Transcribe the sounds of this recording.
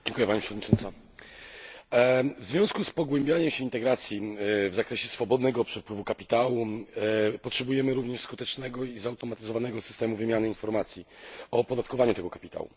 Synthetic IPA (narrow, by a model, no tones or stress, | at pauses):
d͡ʑɛ̃ŋkujɛpaɲipʂɛvɔd̪ɲit͡ʂɔnt̪sa | vzvʲjɔ̃skuspɔɡwɛmbʲjaɲɛmɕɛint̪ɛɡɾat̪sʲjivzakɾɛɕɛsfɔbɔd̪nɛɡɔpʂɛpwɘvukapʲit̪awu | pɔtʂɛbujɛmɘɾuvɲɛʂskut̪ɛt͡ʂnɛɡɔizawt̪ɔmat̪ɘzɔvanɛɡɔsɘ̥st̪ɛmuvɘmʲjanɘinfɔɾmat̪sʲjiɔpɔd̪at̪̚kɔvaɲut̪ɛɡɔkapʲit̪a̰wṵ